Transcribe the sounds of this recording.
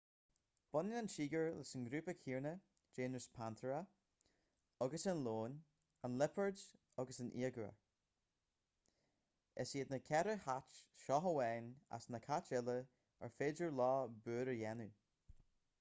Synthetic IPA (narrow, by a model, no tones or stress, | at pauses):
b̥ɔnɪnanʃiːɡəɹlɪsənɡɾuːpəkʰiːɹnə | d͡ʒeːnəspʰant̪ʰəɹə | ɔɡəsɪnloːn | anlɪpʰəɹd | ɔɡəsɪnʔḭːəɡɹə̰ | ɛsiːd̪nəkʰɛɾəhat͡ʃʃɔɦəwɛːna̰snəkʰat͡ʃɪlə | ə̰ɹfeːd͡ʒəɹlɑːbøːɾəjɛnu